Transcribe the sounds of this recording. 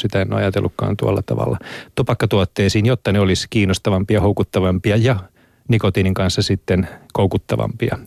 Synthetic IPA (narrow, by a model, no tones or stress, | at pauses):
sit̪æenːo̰ːɑjɑt̪ḛlːukkɑ̰ːnt̪uɑlːɑ̰t̪ɑ̰ʋɑ̰lːɑt̪opɑkːɑt̪uot̪ːeːsiːnjot̪ːɑneoliskiːnost̪ɑʋɑmpiɑhoukut̪ːɑʋɑmpiɑjɑ | nikot̪iːniŋkɑnsːɑsit̪ːenkoukut̪ːɑʋɑ̰mpiɑ̰